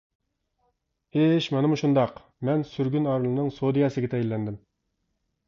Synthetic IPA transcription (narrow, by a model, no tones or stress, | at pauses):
eʃmɑnɨmuʃund̪ɑq | mɛnsyɾɡʲynɑɾlˠɨnɨŋsod̪ɨjɑːsɨɡʲɛt̪ʰɛjilːɛnd̪ɪm